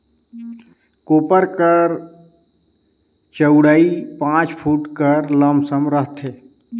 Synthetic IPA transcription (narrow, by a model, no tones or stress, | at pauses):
koːpəɾkəɾ | t͡ʃəʊɽaːipãːt͡ʃpʰuːʈkəɾləmsəmɾəɦt̪ʰɦeː